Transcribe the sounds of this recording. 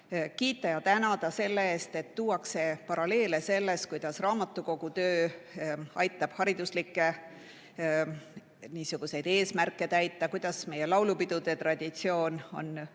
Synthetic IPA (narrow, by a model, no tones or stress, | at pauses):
kiːt̪ˑːɑjɑt̪ænɑd̪̥ɑse̞lːeeːst̪e̞t̪ːuːwɑkse̞pɑɾɑle̞ːle̞se̞lːest̪̚kujd̪̥ɑsrɑːmɑt̪ːˑuko̞ɡ̥ut̪øː | ɑjt̪ːˑɑb̥hɑɾid̪̥uslikːˑe̞ | niːsuɡ̥use̞jd̪̥e̞ːsmærkːˑe̞t̪æjt̪ːˑɑkujd̪̥ɑsme̞je̞lɑwlupid̪̥ud̪̥e̞t̪rɑd̪̥ʲit̪sio̞ːno̞̰n